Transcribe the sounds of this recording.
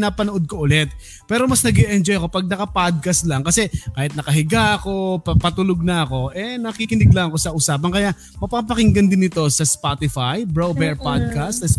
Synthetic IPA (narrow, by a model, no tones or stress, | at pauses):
napɐnʊʔod̪̚koʔʊlɛt̪̚ | pɛːɾo̞mɐsnɐɡɛʔɛnd͡ʒojɐko̞pɐɡ̚nɐkɐpad̪̚kɐst̪laŋkɐsɛkaːhɪt̪̚nɐkɐɦɪɡaʔɐko̞pɐpɐt̪ʊloɡ̚nɐʔɐko̞ʔɛnɐkikɪnɪɡ̚lɐɐko̞sɐʔʊsaːp̬ɐŋkɐjaʔ | mɐpaːp̬ɐkɪŋɡɐnd̪ɪnɪt̪o̞sɐspat̪ɪfajbɹobɛɹpad̪̚kast̪s